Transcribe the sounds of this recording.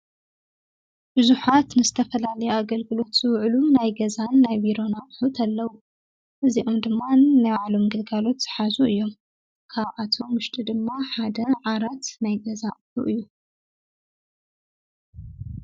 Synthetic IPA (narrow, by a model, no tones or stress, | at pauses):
b̥ɨzuħat̪nɨzɨt̪ʰɐfɐlalɐjoaɡɐlɡɨlo̞t̪z̥ɨwʕlunajɡɐzanːajbiɾo̞naʔʼħut̪ʰalːɐwu | ʔɨziʔomd̪ɨmːanajwaʕlo̞mɡɨlɡalo̞t̪z̥ɨħazuʔɨjːo̞m | kʰaβʔat̪ʰo̞mwʊʃt̪ʼid̪ɨmːaħad̪ɐʕaɾɐt̪najɡɐzaʔʼħuʔɨjːu